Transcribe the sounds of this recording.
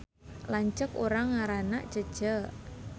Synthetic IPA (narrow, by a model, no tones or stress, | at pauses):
laɲt͡ʃəkoɾaŋaɾanaʔt͡ʃəd̥ʒ̥əʔ